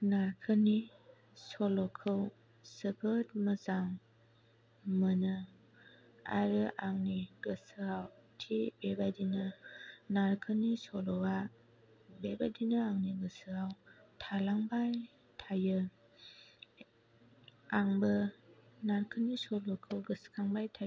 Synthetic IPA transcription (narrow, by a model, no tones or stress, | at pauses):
naɾkʰəni | sɔlɔkʰɯw | səbʰət̚məzaŋ | mənɯ | a̰ɾɯʔaŋniɡəsɯawtʰibebadinɯnaɾkʰɯnisɔlɔwa | bebadinɯaŋniɡɯsɯɾawtʰalaŋbaj | tʰajɯ | aŋbɯnaɾkʰənisɔlɔkʰɯwɡɯskʰaŋbajtʰaj